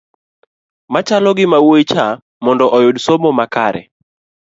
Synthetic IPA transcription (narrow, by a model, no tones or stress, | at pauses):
mat͡ʃalɔɡɪmawoit͡ʃa | mɔndɔʔɔjodsomɔmakaɾɛ̰